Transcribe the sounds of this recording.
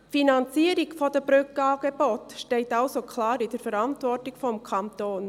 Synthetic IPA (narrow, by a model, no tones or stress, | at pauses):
finɑnt͡siəɾiɡ̥fɔd̥əb̥ɾʉkəɑːɡ̥ebotʃtɛɪtɑʊsokʰlɑːɾɪd̥ɛɾfəɾɑntvɔrtɪkfɔmkʰɑnt̪oːn